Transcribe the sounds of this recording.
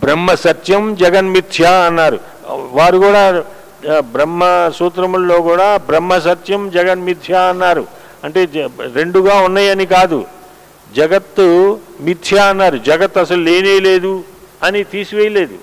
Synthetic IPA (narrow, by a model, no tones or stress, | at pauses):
bɾɐmːɐsɐt̪jɐmd͡ʒɛɡɐnmit̪ʰjaɐnːaːɾṵ | ʋaːɾukuːɽaː | bɾɐmːɐsuːt̪ɾɐmullo̞ːkuːɽaːbɾɐmːɐs̬ɐt̪jɐmd͡ʒɛɡɐnmit̪ʰjaɐnːaːɾṵ | ɐɳʈe̞ːɾe̞ɳɖuɡaːunːaːjɐnikaːd̪ṵ | d͡ʒɐɡɐt̪ːumit̪ʰjaɐnːaːɾud͡ʒɐɡɐt̪ːɐsɐluleːneːle̞ːd̪u | ɐnit̪iːsiʋejɐle̞ːd̪ṵ